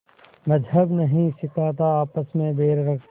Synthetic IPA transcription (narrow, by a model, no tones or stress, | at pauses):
mɐzəbnɐɦĩsɪkʰaːt̪̬aaːpəsmẽbʱeːɾɾɐk